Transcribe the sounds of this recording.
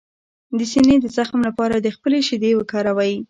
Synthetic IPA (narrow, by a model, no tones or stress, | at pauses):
d̪əsined̪əzaxmlapɑɾad̪əxpəleʃɪd̪ewəkɑɾawaji